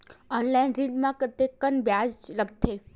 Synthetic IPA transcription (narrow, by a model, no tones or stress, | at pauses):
ɔnlainɾiɖmãkət̪ekənbjad͡ʒləɡt̪ʰe